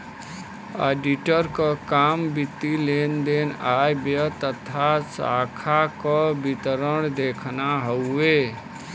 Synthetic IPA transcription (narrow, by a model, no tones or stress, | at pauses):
a̰ɖiʈəɾkəkambit̪ːilend̪enajbjət̪ət̪ʰasakʰakɔbit̪ɾəɳ̃d̪ekʰnaɦəe